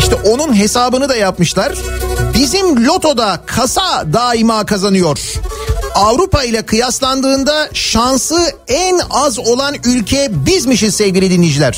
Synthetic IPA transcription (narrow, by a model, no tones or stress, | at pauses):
iʃt̪ɛʔo̞nunɦe̞saːbɯnɯd̪ajapmɯʃlˠaɾ̥bizimlʲo̞t̪ʰo̞d̪akʰasad̪aːimaːkʰazanɯjo̞ɾ̥ | avɾupailʲˠakʰɯjaslˠand̪ɯːnd̪aʃansɯɛnazo̞lˠanylʲcʰɛbizmiʃɯsɛvɟʲiɾʲid̪inid͡ʒilʲæɾ̥